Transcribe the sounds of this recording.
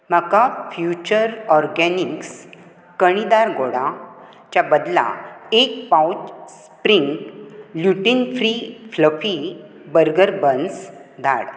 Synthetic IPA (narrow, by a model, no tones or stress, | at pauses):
m̤akafjut͡ɕəɾɔɾɡɛniks | kəɽ̃id̪aɾɡoɽa | t͡ɕjabəd̪la̰ek̚pawt͡ɕsspɾiŋɡljuʈinfɾifləfi | bəɾɡəɾbənsd̪ʱa̰ɽ